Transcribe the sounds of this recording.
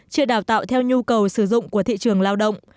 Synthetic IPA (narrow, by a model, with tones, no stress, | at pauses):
t͡ɕi˧əɗaː˨˩wt̪a̰ː˧˨wt̪ʰɛ˧wɲu˧kə˨˩wsɨ˧˩zʊ̰˧˨ŋ͡mku˧˩ət̪ʰḭ˧˨t͡ɕɨ˨˩əŋlaː˧wɗə̰˧˨wŋ͡m